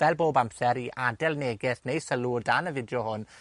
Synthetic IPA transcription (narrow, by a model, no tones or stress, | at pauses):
vɛlˠboːbamsɛɾiʔadɛlˠneːɡɪθnejsəluːrdanəvɪdjɔhʊn